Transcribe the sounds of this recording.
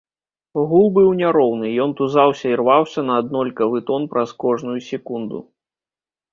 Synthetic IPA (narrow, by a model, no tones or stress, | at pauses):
ɣulˠbɨwnʲaɾɔwnɨjɔnt̪uzawsʲɐirvawsʲɐnɐːd̪nɔlʲkɐvɨt̪ɔnpɾɐskɔʐnujusʲɛkund̪ṵ